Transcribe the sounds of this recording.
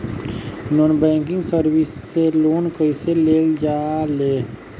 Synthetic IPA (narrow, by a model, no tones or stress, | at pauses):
nonbɛ̃ːŋkɪ̃ŋɡsəɾwɪsːeloːnkəiseleːld͡ʒaːleː